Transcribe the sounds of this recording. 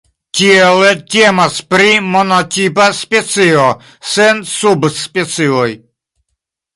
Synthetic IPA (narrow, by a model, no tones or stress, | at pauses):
kielet̪ʲemaspɾimonatʲipaspet͡sio | sensubspet͡sioj